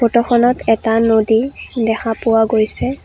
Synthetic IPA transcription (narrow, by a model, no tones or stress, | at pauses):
potɔxʰɔnɔtʰɛtanodidɛxʰapʊwaɡojsɛ